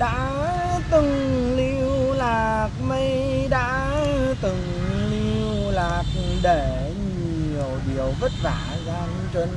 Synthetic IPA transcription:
ɗa̰ː˧˥ | t̪ɨ˨˩ŋli˧wlaː˨˩k̚mə˧jɗa̰ː˧˥t̪ɨ˨˩ŋ | li˧wlaː˨˩k̚ɗe˧˩ | ɲi˨˩˨əwɗi˨˩əwvə˦˥t̚vaː˧˩zaː˧ŋt͡ɕe˧n

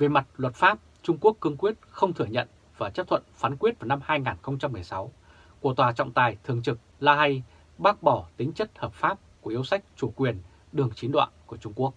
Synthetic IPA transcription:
ve˨˩ma˨˩t̚lwə˨˩t̚faː˦˥p̚ | t͡ɕʊ˧ŋ͡mku˦˥əkːɨ˧əŋkwi˦˥ət̚xə˧wŋ͡mt̪ʰɨ˧˩əɲə̰˧˨n | vaː˨˩t͡ɕə˦˥t̪ʰə̰˧˨nfa˨˦nkwi˦˥ət̚vaː˨˩wna˧mhaː˧jŋaː˨˩nxə˧wŋ͡mt͡ɕa˧mːɨ˨˩əjsa˨˦w | ku˧˩ət̪waː˨˩t͡ɕɔ̰˧˨wŋ͡mt̪aː˨˩jt̪ʰɨ˨˩əŋt͡ɕɨ˨˩k̚laː˧ɦa˧j | ɓaː˦˥k̚ɓɔ˧˩t̪ï˨˦ŋ̟t͡ɕə˦˥t̚həː˨˩p̚faː˦˥p̚ku˧˩əʔi˨˦wsa˦˥jk̟̚t͡ɕu˧˩kwi˨˩ən | ɗɨ˨˩əŋt͡ɕi˨˦nɗwa̰ː˧˨nku˧˩ət͡ɕʊ˧ŋ͡mku˦˥ək̚

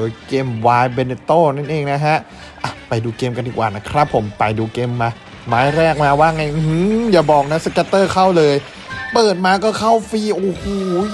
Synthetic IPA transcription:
ɤː˨˧˦jkeː˧˩mwaː˦˥jbe˧ne˧t̪oː˥˩na˥˩nʔeː˧ŋna˦˥ɦa˦˥ʔ | ʔa˧˩pa˨˧jduː˧keː˧mka˧ndiː˨˩kwaː˨˩na˦˧˥kʰɾa˦˥pʰːo˩˦mpa˨˩jduː˧keː˧mːaː˧ | maː˦˥jɾɛː˥˩k̚maː˧waː˥˩ŋa˧˩jɯ˧hɯ˧˥jaː˨˩bɔː˨˩k̚na˦˥sa˧kaː˧˥t̪ɤː˥˩kʰa˥˩wlɤː˧j | pɤː˨˩t̪̚maː˧kɔː˥˩kʰa˥˩wfiː˧˥˩ʔoː˧˩hoː˨˩˨

